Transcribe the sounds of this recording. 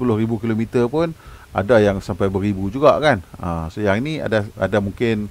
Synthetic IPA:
spulʊhɾibukilomit̪ərpʊna̰dajaŋsampajbəɾibud͡ʒuɡaʔkanə̰səjaŋinia̰daa̰damuŋkɪn

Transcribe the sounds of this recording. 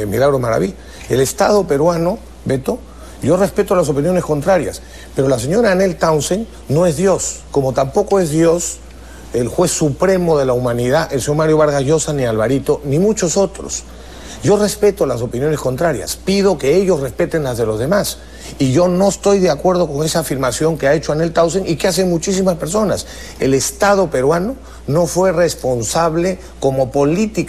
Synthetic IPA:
milaɣɾomaɾa̰βi | ḛle̞st̪að̞o̞pe̞ɾwano̞ | be̞t̪o̞ | ʝo̞respe̞t̪olas̬o̞pinjo̞ne̞sko̞nt̪ɾaɾja̰s | pe̞ɾolas̬e̞ɲo̞ɾaːne̞lt̪awnsen | no̞e̞zðjo̞sko̞mo̞t̪ampo̞ko̞e̞zðjo̞s | elxwe̞sːupɾe̞mo̞ð̞e̞laumãniðaʔelseɲo̞ɾmaɾjo̞βaɾɣaʝo̞sanialβaɾit̪o̞nimut͡ʃo̞so̞t̪ɾo̰s | ɟ͡ʝo̞re̞spe̞t̪o̞laso̞pinjo̞ne̞sko̞nt̪ɾaɾja̰spið̞o̞ke̞eʝo̞sre̞spe̞t̪e̞nlazðe̞lo̞zðe̞mas | iʝo̞no̞est̪o̞jðeakwe̞ɾð̞o̞ko̞ŋe̞saːfiɾmasjo̞ŋkeae̞t͡ʃoanelt̪awseŋikeas̬e̞ŋmut͡ʃis̬imaspe̞ɾso̞nas | e̞̰le̞st̪að̞o̞pe̞ɾwano̞ | no̞fwe̞re̞spo̞nsaβ̞le̞ | ko̞mo̞po̞lit̪ik

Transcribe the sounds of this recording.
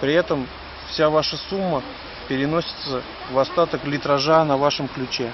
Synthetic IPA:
pɾʲɪɛt̪əm | fsʲavaʂəsumːə | pʲɪɾʲɪno̞sʲɪ̥t̪sə | vɐst̪at̪əklʲɪt̪ɾɐʐanɐvaʂəmklʲʉt͡ɕe

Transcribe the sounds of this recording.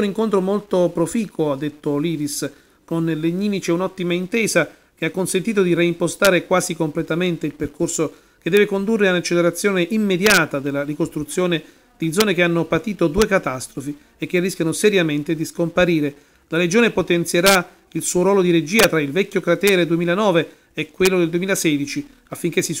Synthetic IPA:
niŋkont̪ɾomolt̪opɾofiːkʰoad̪ːet̪ːoliːɾis | konleɲːiːmit͡ʃeunɔt̪ːimaint̪ɛːza | k̟eakːonsent̪iːt̪od̪iɾeimpost̪aːɾekwaːzikomplet̪ament̪eilperkorso | ked̪ːɛːvekond̪urːeaunat͡ʃːeleɾat̪sːjoːneʔimːed̪jaːt̪ad̪elːarikost̪ɾut̪sːjoːne | d̪̥id̪zɔːnekeanːopat̪iːt̪od̪uːekat̪ast̪ɾofi | ekːerːiskʲjanosɛɾjament̪ed̪iskompaɾiːɾe | laɾed͡ʒoːnepot̪ɛnt̪sjeɾa | ilsuːoɾɔːlod̪iɾed͡ʒiːat̪ɾailvɛkːokɾat̪ɛːɾed̪uemiːlanɔːve | ɛkːwelːod̪eld̪uemilasɛːd̪it͡ʃi | afːiŋk̟esːi

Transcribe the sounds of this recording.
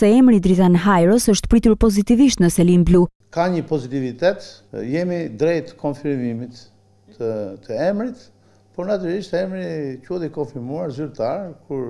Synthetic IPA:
sɛɛmɾid̪ɾit̪anɦajɾɔsəʃt̪pɾit̪uɾpɔzit̪iviʃt̪nəsɛlimblu | kaɲəpɔzit̪ivit̪ɛt̪ | jɛmid̪ɾɛjt̪kʰɔnfiɾmimit̪ | ət̪ʰəɛmɾit̪ | pɔɾnat̪yɾaliʃt̪ɛmɾicuðikɔnfiɾmuaɾzyɾt̪aɾkuɾ

